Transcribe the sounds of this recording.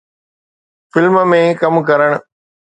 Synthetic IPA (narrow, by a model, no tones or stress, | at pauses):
fɪlməmẽkɐmk̬ɐɾəɽ̃̆